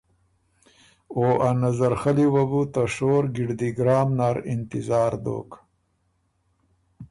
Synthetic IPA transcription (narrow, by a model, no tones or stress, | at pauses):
oʔanazaɾxaliwabut̪aʂoːɾɡiɽd̪iɡɾaːmnaːɾɪnt̪ɪzaːɾd̪o̰ːk